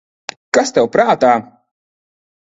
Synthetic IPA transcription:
kast̪ɛwpɾaːt̪aː

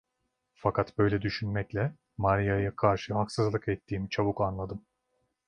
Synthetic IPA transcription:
fakʰat̪bø̞jlʲɛd̪yʃynmɛclʲɛ | maɾʲijajakʰaɾʃɯɦaksɯzlˠɯkɛt̪ʰːiːmit͡ʃʰaβukanlˠad̪ɯm

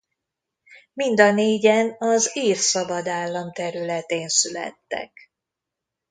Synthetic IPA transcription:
mind̪ɒneːɟɛnɒziːrsɒbɒd̪aːlːɒmt̪ɛɾylɛt̪eːnsylɛ̰t̪ːɛ̰k

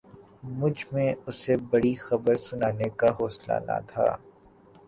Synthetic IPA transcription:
mʊd͡ʒʱmẽʊsebɐɽixɐbəɾsʊnaːnekaɦoːsla̰ːna̰t̪ʰa̰ː

